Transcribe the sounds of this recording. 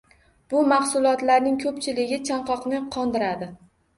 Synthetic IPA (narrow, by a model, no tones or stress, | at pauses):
b̥ʊmɑχsʊlˠɒt̪laɾnɪŋkʰɵpt͡ʃʰɪlɪɡʲɪt͡ʃʰaɴqɒqnɪqʰɒnd̪ɪɾad̪ɪ